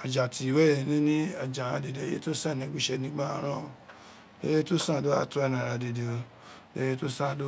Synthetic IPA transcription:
a˨d͡ʒa˨ti˨i˨wɛ˦ɾɛ˧˨nĩ˦nĩ˦a˨d͡ʒa˨ɾã˧˨de˨de˨jḛ˦to˦sã˦˨nĩ˧˦ɡ͡bu˦˨ʃɛ˧nĩ˦ɡ͡ba˦a˧˦ɾ̃ã˦˨o˧˨ | de˧˦je˦to˦sã˦˨do˦a̰˦tu˦ɛ˧nã˨ɾa˧de˨de˨o˧˨ | de˧˨je˦to˦sã˦˨do˦

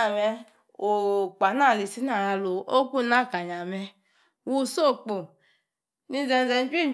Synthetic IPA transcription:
mɛ˧ | o˨k͡pa˨na˦˨li˨si˦na˨a˧lo˨o˦ku˦˨na˦˨ka˨ɲa˨mɛ˧ | wu˦so˦˨k͡po˨ | ni˧˦zɛ˧n˦zɛ˧n˦d͡ʒi˦

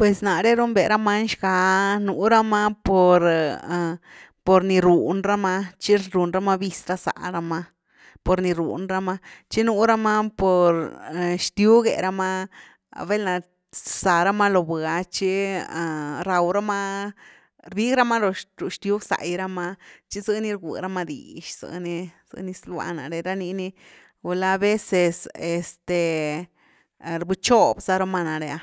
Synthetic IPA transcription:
pwe˨sna˨ɾe˦ɾu˦mbe˨ɾa˦ma˦nʃɡa˧nu˨˧ɾa˦ma˦po˨ɾ | po˨ɾni˧ɾu˨nɾa˦ma˧t͡ʃi˦ɾɾu˨nɾa˦ma˦bi˧sɾa˧sa̰˨ɾa˧ma˦ | po˨ɾni˧ɾṵ˨nɾa˦ma˦t͡ʃi˦nu˧˦ɾa˦ma˦po˨ɾʃt̪ju˦ɡḛ˨ɾa˦ma˦ | be˦lna˨ | sa˨ɾa˦ma˦lo˧bɡa˧t͡ʃi˦˨ | ɾa˧wɾa˦ma˦ | ɾbi˦ɡɾa˦ma˦lo˧ɾu˨ʃt̪ju˦ɡsa̰˨jɾa˦ma˧t͡ʃi˦zɨ˧ni˦ɾɡṵ˨ɾa˦ma˧d̪ḭ˨ʃz̥ɨ̰˧ni˧z̥ɨ̰˧ni˧˦sla̰˧na̰˨ɾe˧ɾa˦ni˧ni˧ | u˧la˧be˦se˧se˨st̪e˨ | ɾbɨ˧t͡ʃo˦bza˦ɾa˧˦ma˧na˨ɾe˧a˧

